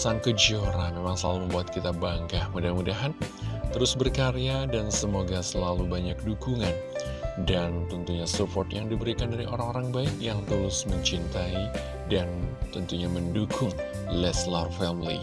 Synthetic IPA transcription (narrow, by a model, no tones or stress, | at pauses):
saŋkəd͡ʒioɾamemaŋsəla̰luməmbuat̪̚kit̪abaŋkahmudahmudaɦant̪əɾʊsbərkaɾejadansəmoɡasəlalubaɲak̚dukuŋan | dant̪ənt̪uɲasupɔrt̪jaŋdibəɾikandaɾiʔoɾaŋoɾaŋbaɪkjaŋt̪əɾʊsməɲt͡ʃint̪ai | dant̪ənt̪uɲaməndukʰʊŋ | lɛslarfɛmlḭ